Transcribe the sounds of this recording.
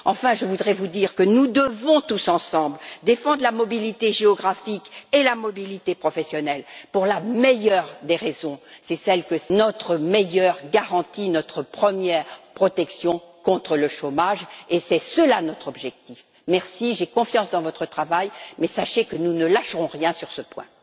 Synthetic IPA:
ɑ̃fɛ̃ʒəvud̪ʁɛvud̪iʁkənud̪əvɔ̃t̪usɑ̃sɑ̃bld̪efɑ̃d̪ʁəlamɔbilit̪eʒeɔɡʁafikelamɔbilit̪epχɔfɛsjɔnɛlpuʁlamejœʁd̪eʁezɔ̃sɛsɛlkənɔt̪χəmejœʁɡaʁɑ̃t̪inɔt̪χəpχəmjɛʁpχɔt̪ɛksjɔ̃kɔ̃t̪χələʃomaʒesɛsəlanɔt̪χɔbʒɛk̚t̪if | mɛʁsiʒekɔ̃fjɑ̃sd̪ɑ̃vɔt̪χət̪χavajmɛsaʃekənunəlaʃəʁɔ̃ʁjɛ̃syʁsəpwɛ̰̃

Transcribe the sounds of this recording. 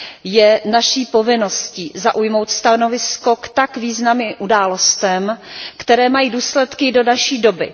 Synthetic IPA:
jɛnaʃiːpo̞vɪno̞scizaʔujmo̞wt̪st̪ano̞vɪsko̞kt̪akviːznamɪmʔudaːlo̞st̪ɛmkt̪ɛɾɛːmajiːduːslɛt̪kɪdo̞daʃiːdo̞bɪ̰

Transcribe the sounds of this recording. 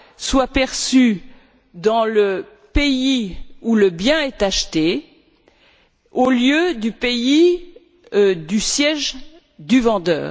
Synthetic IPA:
swapɛʁsy | d̪ɑ̃lə | peiuləbjɛ̃ɛt̪aʃt̪e | oljød̪ypei | d̪ysjɛʒ | d̪yvɑ̃d̪œ̰ːʁ

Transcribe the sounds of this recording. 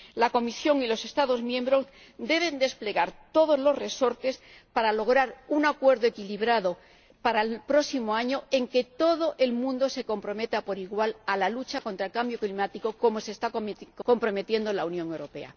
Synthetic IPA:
lako̞misjo̞ŋilo̞se̞st̪aðo̞zmjembɾo̞z | d̪e̞β̞e̞nd̪e̞sple̞ɣaɾt̪o̞ð̞o̞zlo̞zre̞so̞ɾt̪es | paɾalo̞ɣ̞ɾaɾuŋakwe̞ɾðoe̞kiliβɾaðo̞ | paɾaelpɾo̞simoaɲo̞e̞ŋke̞t̪o̞ðo̞ʔe̞lmũnd̪o̞se̞ko̞mpɾo̞me̞t̪apo̞ɾiɣwalalalut͡ʃako̞nt̪ɾaelkambjo̞klimat̪iko̞ko̞mo̞se̞ːst̪aoko̞mpɾo̞me̞t̪je̞nd̪olaunjõ̞ŋe̞wɾo̞pe̞̰a̰

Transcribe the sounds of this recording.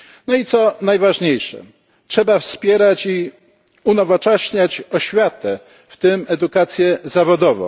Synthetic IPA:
nɔit̪sɔnajvaʐɲejʂɛ̰ | tʂɛbafspʲjɛɾat͡ɕi | unɔvɔt͡ʂɛɕɲat͡ɕɔɕfʲjat̪ɛ | ft̪ɘmɛd̪ukat̪sʲjɛzavɔd̪ɔvɔ̰̃w̃

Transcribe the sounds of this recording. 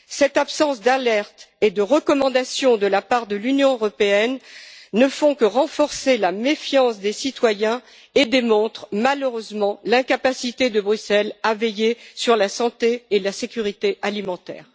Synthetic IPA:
sɛt̪apsɑ̃sd̪alɛʁt̪ed̪əʁəkɔmɑ̃d̪asjɔ̃d̪əlapaʁd̪əlynjɔ̃øʁɔpeɛnːəfɔ̃kəʁɑ̃fɔʁselamefjɑ̃sd̪esit̪wajɛ̃ | ed̪emɔ̃t̪χmaləʁøzmɑ̃lɛ̃kapasit̪ed̪əbʁysɛlavɛjesyʁlasɑ̃t̪eːlasekʲyʁit̪eʔalimɑ̃t̪ɛ̰ːʁ

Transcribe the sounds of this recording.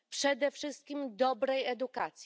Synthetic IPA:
pʂɛd̪ɛfʂɘst̪̚kʲimd̪ɔbɾɛjɛd̪ukat̪sʲ

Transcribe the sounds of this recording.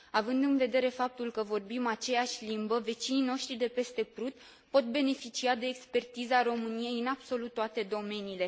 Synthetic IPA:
avɨnd̪ɨnve̞d̪e̞ɾe̞fap̚t̪ulkəvo̞rbimat͡ʃe̞jaʃʲlimbəve̞t͡ʃinino̞ʃt̪ɾid̪e̞pe̞st̪e̞pɾut̪ | po̞t̪̚be̞ne̞fit͡ʃiad̪e̞ːkspe̞rt̪izəaɾo̞mɨnie̞jɨnab̥so̞lut̪ːoat̪e̞d̪o̞me̞niːle̞

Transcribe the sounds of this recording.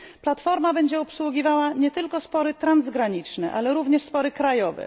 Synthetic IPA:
plat̪fɔɾmabɛɲd͡ʑɛɔpswuɡʲivawaɲɛt̪ɘlkɔspɔɾɘt̪ɾanzɡɾaɲit͡ʂnɛʔalɛɾuvɲɛʂspɔɾɘkɾajɔvɛ̰

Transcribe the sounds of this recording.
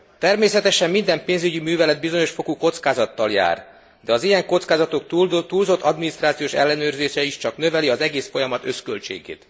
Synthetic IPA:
t̪ɛrmeːsɛt̪ɛʃɛmːind̪ɛmpeːnzyɟimyːvɛlɛd̪̚bizo̞ɲo̞ʃfo̞kuko̞t̪skaːzɒt̪ːɒlja̰ːr | d̪ɛɒzijɛŋko̞t̪skaːzɒt̪okt̪t̪uːlzo̞t̪ʰːɒd̪minist̪raːt̪sioːʃɛ̰lːɛnøːrzeːʃɛiʃt͡ʃɒknøvɛliɒzɛɡeːsfo̞jɒmɒt̪ø̞skølt͡ʃḛːɡḛːt̪

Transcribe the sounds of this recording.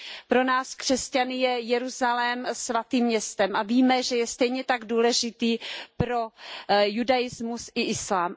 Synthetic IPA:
pɾo̞naːskr̥ɛscanɪjɛjɛɾuzalɛmsvat̪iːmːɲɛst̪ɛmʔaviːmɛʒɛjɛst̪ɛjɲɛt̪aɡduːlɛʒɪt̪iːpɾo̞judajɪzmusɪʔɪslaːm

